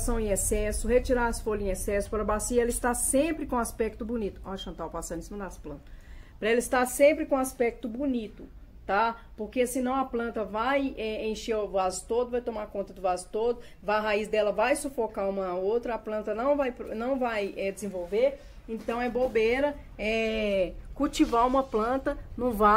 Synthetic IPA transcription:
sɐ̃w̃ẽesɛsʊhet͡ʃiɾaasfoʎʊẽesɛsʊ̥paɾɐbasiɐɛlɐist̪asẽpɾɪkõaspɛk̚t̪ʊbunit̪ʊɔʒɐ̃nt̪awpasãẽsimɐd̪asplɐ̃nt̪ɐ̥pɾɐelɐist̪asẽmpɾɪkõaspɛk̚t̪ʊbunit̪ʊ | t̪apoɾkesɪnɐ̃w̃ɐplɐ̃nt̪ɐvajɛẽʃeʊvazʊt̪od̪ʊvajt̪õmakõnt̪ɐd̪ʊvazʊt̪od̪ʊ | vaɐɦaizd̪ɛlɐvajsofokaũmɐnaowt̪ɾɐaplɐ̃nt̪ɐnɐ̃w̃vajpɾnɐ̃w̃vajɛd͡ʒɪzẽvowveɾ | ẽt̪ɐ̃w̃ɛbobeɾɐ | ɛ | kuwt͡ʃivaũmɐplɐ̃t̪ɐnũva

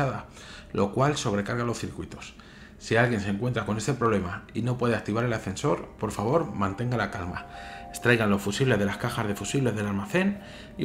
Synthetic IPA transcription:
aða | lʔo̞kwalso̞β̞ɾe̞kaɾɣalo̞sθiɾkwit̪o̞̥s | sialɣje̞nseŋkwe̞nt̪ɾako̞ne̞st̪e̞pɾo̞βle̞maino̞pwe̞ð̞e̞ak̚t̪iβaɾe̞lafe̞nso̞ɾpo̞ɾfaβ̞o̞ɾmãnt̪e̞ŋɡalakalmae̥st̪ɾajɣanlo̞sfusiβle̞zðelaskaxazðe̞fusiβle̞zðe̞lalmaθe̞n | i

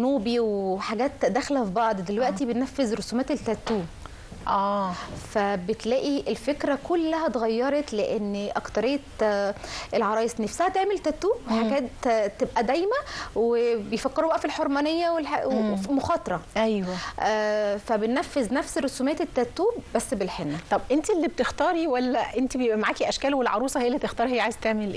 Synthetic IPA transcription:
nuːbiweħaɡæːt̪d̪æxlæfibɑʕd̪ˤd̪elwæʔt̪ibenːæfːezɾosuːmæːt̪elt̪ːæɾt̪ːuːb | ʔæːfæbet̪læːʔiʔelfekɾækolːæɦæt̪eɣæjːɑɾˤɑt̪leʔenːʔækt̪ɑɾejːt̪ | ʔelʕɑɾˤɑːjesnefsæhæt̪eʕmelt̪ːæɾt̪ːuːbweħaɡæːt̪t̪ːebʔæd̪æjmæwebejfækːeɾubæʔæfilħoɾˤmæːnejːæwelħwfimoxɑːt̪ˤɑɾˤɑʔæjwæʔæfæbenːæfːeznæfserːosuːmæːt̪et̪ːæt̪ːuːbbæsːbelħenːæt̪ˤɑbʔent̪ilːib̚t̪ext̪ɑːɾiwælːæʔent̪ibejebʔæmaʕaːkiʔæʃkæːlwelʕɑɾˤuːsˤɑhejːælːib̚t̪ext̪ɑːɾˤhejːʕajezt̪eʕmelʔ

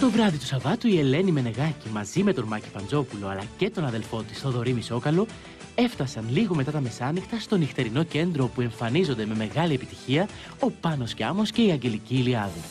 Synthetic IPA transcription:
t̪o̞vɾɐðit̪u̥sɐvɐt̪uie̞le̞nime̞ne̞ɣɐcimɐzime̞t̪o̞ɾmɐci̥fɐnd͡zo̞pulo̞ɐlɐce̞t̪o̞nɐðe̞lfo̞t̪i̥sθo̞ðo̞ɾimiso̞kɐlo̞ | e̞ft̪ɐsɐnliɣo̞me̞t̪ɐt̪ɐme̞sɐnixt̪ɐst̪o̞nixt̪e̞ɾino̞ce̞nd̪ɾo̞pue̞ɱfɐnizo̞nd̪e̞me̞me̞ɣɐliepit̪i̥çiɐ | o̞pɐno̞scɐmo̞sce̞iɐɲɟe̞liciːliɐði

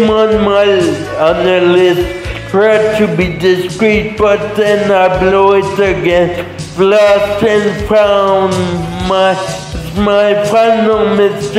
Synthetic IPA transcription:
mə̃nmaɪ | ə̃nəlɪstpʰɹɛtʰɨbidɪskɹit̚b̥ʌt̪̚ðɛ̃naɪbloʊɪtəɡɛ̃nst | flɔstɨ̃nfɹãʊ̃nma | maɪfãɪnl̩ˠmɪst

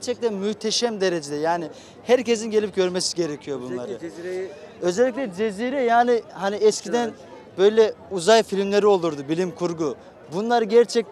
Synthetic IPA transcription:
ɾt͡ʃʰɛc̚t̪ʰɛnmyht̪ʰeʃɛmd̪e̞ɾe̞d͡ʒed̪ɛjaːni | hæɾce̞z̬inɟe̞lʲip̚ɟø̞ɾmesi̥ɟe̞ɾecʰijo̞bunlˠaɾɯ | ø̞zɛːic̬ʲlʲɛd͡ʒe̞ziːɾɛjaːnɪhaniɛscʲʰid̪æn | bø̞jlʲɛuzajfilʲmlʲe̞ɾio̞lˠuɾd̪ubilʲimkʰuɾɡu | bunlˠaɾɯɟæɾt͡ʃʰɛc̚

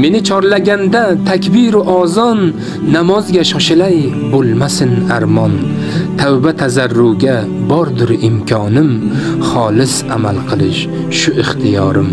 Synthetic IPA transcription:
me̞nɪt͡ʃʰɒɾlaɡʲand̪at̪ʰakʲbiɾʊʔɒzɒnː | amɒzɡʲaʃɒʃɪlaj | bolˠmasɪnaɾmɒn | t̪ʰawbat̪ʰazaɾːʊɡʲa | bɒɾd̪ʊɾɪmkʲʰɒnɪm | χɒlˠɪsamalˠqʰɨlˠɪʃ | ʃʊɪχt̪ʰɪjɒɾɪm

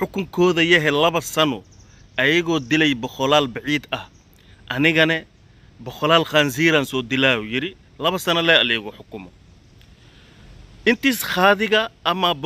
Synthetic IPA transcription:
ħʊkʰʊŋkʰɔːðɐjɐɦɛlɐβɐsɐnɔ | ʔɐjɐɣɔːd̪ɪlɛjbɔχɔlaːlbɑʕiːd̪ɐh | ʔɐnɪɣɐnɛ | bɔχɔlaːlxaːnsiːɾaːnsɔːd̪ɪlaːujɪɾɪ | lɐβɐsɐnɐlɛɐlɛɣɔħʊkʊmɔ | ɪnt̪iːsχaːðɪɣɐʔːmɐb

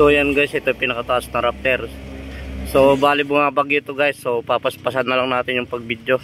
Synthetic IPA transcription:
sojanɡajsʔɛt̪ojpɪnɐkɐt̪ɐʔasnɐŋɾap̚t̪ɛɾ | so̞baːlɪbʊŋabɐɡjot̪oɡajsːo̞papɐspɐs̬ad̪ːɐlaŋnaːt̪ɪnjʊŋpɐɡ̚bid̪jo̞

